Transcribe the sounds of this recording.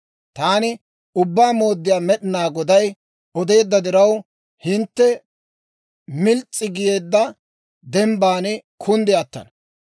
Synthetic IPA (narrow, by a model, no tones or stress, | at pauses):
t̪aːnɪ | ʊbːaːmo̞ːd̪ːɪjaːmɛɗɪnaːɡɔd̪ɐj | ɔd̪e̞ːd̪ːɐd̪ɪɾɐw | hɪnt̪ːɛ | mɪlt͡sʼːɪɡɪje̞ːd̪ːɐ | d̪ɛmbaːnɪkʰʊnd̪ɪjɐt̪ːɐ̰nɐ